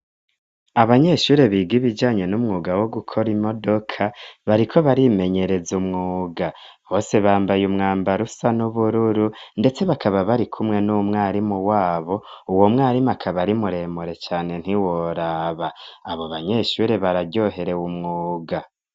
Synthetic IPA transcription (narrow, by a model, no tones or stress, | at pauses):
aβaɲe̞ʃuːɾe̞βiːɡiβid͡ʒaːɲe̞numŋuːɡawo̞ɡukʰo̞ɾimo̞do̞kʰaβaɾikʰo̞βaɾime̞ɲe̞ɾe̞zumŋuːɡa | βo̞ːse̞βaːmbajumŋaːmbaɾusanuβuɾuɾunde̞t͡se̞βakʰaβaβaɾikʰumŋe̞numŋaːɾimuwaːβo̞ | uwo̞mŋaːɾimakʰaβaɾimuɾe̞muɾe̞t͡ʃaːne̞n̥hiwoɾaːβaaβo̞βaɲe̞ʃuɾe̞βaɾaɟo̞ɦe̞ɾe̞wumŋuːɡa